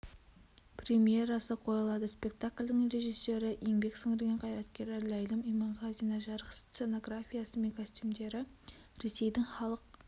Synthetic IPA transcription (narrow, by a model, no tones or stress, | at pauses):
prʲemije̞ɾɑsəqʰo̞jɑlˠɑd̪əspʲe̞kt̪akʲlʲd̪ɪŋɾe̞ʒisːe̞ɾɪje̞ŋbe̞ksɪŋɪɾɡʲeɴqʰɑjɾɑt̪kʲe̞ɾleɾlʲɑjlˠəmijmɑɴʁɑzijnɑʒɑɾʁst̪se̞no̞ɡɾafʲijasəmeŋkʰosʲt̪ʲymd̪e̞ɾɪ | ɾe̞se̞jd̪ɪŋχɑlˠəq̚